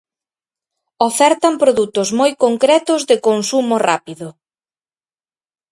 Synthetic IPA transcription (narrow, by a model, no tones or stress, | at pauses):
ofɛɾt̪ɐmpɾoðut̪ʊzmojkoŋkɾɛt̪ʊzðɪkonsumora̰piðʊ